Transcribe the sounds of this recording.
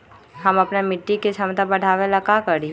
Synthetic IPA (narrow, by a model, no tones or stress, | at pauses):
ɦɐmɐpnamɪʈːikesɐmt̪abɐɽʱaːʋelakakɐɾi